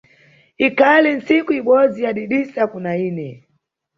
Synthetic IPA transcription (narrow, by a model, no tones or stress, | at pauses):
ikalin̩sikuiɓɔzijaɗiɗisakunainɛ